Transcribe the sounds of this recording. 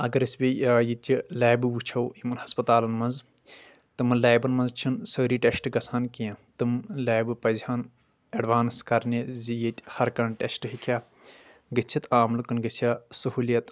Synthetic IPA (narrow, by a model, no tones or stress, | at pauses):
ɐɡɐɾɨsʲbʲijaːjit̪ʲilaːbɨʋut͡ʃʰɐwimɐnhɐspɐt̪aːlɐnmɐnz | t̪ɨmɐnlaːbɐnmɐnzt͡ʃʰinsəːɾiːʈesʈɨɡɐsʰaːnkijãt̪ɨmlaːjbɨpɐzʲhaːn | ɐɖʋaːnskɐɾnʲezijet̪ʲhɐɾkɐnʈesʈɨɦikʰʲaː | ɡɐt͡ʃʲʰit̪aːmlɨkɨnɡɐsʲjaːsɐɦuːljɐt̪